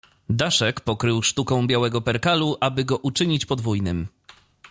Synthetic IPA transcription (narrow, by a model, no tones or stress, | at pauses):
d̪aʂɛkpɔkɾɘwʂt̪ukɔ̃w̃bʲjawɛɡɔpɛɾkaluʔabɘɡɔʔut͡ʂɘɲit͡ɕpɔd̪vujnɘm